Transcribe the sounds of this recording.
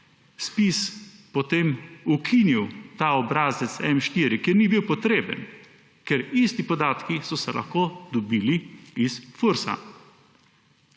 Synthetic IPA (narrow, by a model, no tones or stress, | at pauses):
spispɔt̪eːmukʰiniwt̪aːɔbɾaːzɛt̪sɛmʃt̪iːɾikjeɾnibiwpɔt̪ɾeːbə̰n | kɛɾist̪ipɔd̪aːt̪kisɔsɛlʔa̰xkoːd̪ɔbiːliisfuɾsa̰